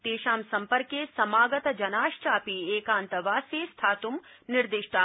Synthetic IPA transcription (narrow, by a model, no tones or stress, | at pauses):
t̪eːʃaːmsɐmpəɾkesɐmaːɡɐt̪ɐd͡ʒɐnaːʃt͡ʃaːpieːkaːnt̪ɐʋaːseːst̪ʰaːt̪umnɪɾd̪ɪʃʈʰa